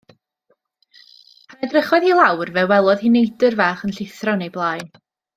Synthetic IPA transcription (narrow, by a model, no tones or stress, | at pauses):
pʰanɛdrəχɔðilˠawrvɛwɛlˠɔð̥hinejdɨrvaːχənɬɪθrɔnejblˠaːjn